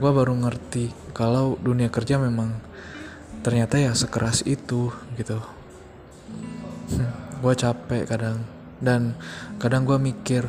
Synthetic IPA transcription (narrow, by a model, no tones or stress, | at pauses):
ɡuabaɾuŋərt̪ikalawduniakərd͡ʒamemaŋ | t̪ərɲat̪ajasəkəɾʔasit̪uɡit̪u | ɡuat͡ʃapɛʔkadaŋ | dankadaŋɡuamikɪr